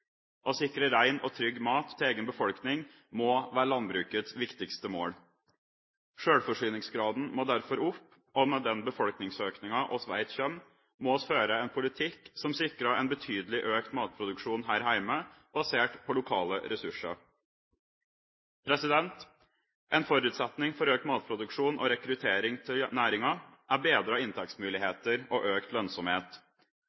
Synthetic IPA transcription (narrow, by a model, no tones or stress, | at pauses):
ʔɔsɪkɾəɾæɪnɔt̪ʰɾʏɡːmɑːt̪ːʰɛeːɡənbəfɔlknɪŋ | mɔːʋæːɾɭɑnbɾʉːkət̪sʋɪkt̪ɪkst̪əmo̰ːɽ | ʂøːɽfɔʂyːnɪŋsɡɾɑːd̪n̩moːd̪æɾfɔɾʊpː | ɔmɛd̪ɛnbəfɔlknɪŋsøːknɪŋɑʔɔsʋæ̰ɪt̪çœm | mɔɔsføːɾəɛnpʰʊlɪt̪ʰɪkːsɔmsɪkːɾɑɛnbət̪ʰyːd̪əlɪʔøːkt̪mɑːt̪̚pʰɾʊd̪ʉkʂuːnɦæːɾhæɪməb̥ɑseːʈpʰɔlʊkʰɑːlə̰ɾɛsʉʂə̰ɾ | pʰɾɛsɪd̪ɛnt̪ | ʔɛnfɔɾʉːt̪sɛt̪nɪŋfɔɾøːk̚t̪mɑːt̪̚pʰɾʊd̪ʉkʂuːnʔɔ̰ɾɛkɾʉt̪ʰeːɾɪŋt̪ʰɪlnæːɾɪŋɑʔæbeːd̪ɾəɑɪnt̪ʰɛkt̪smʉːlɪheːt̪əɾɔʔøːkt̪lœnsɔmheːt̪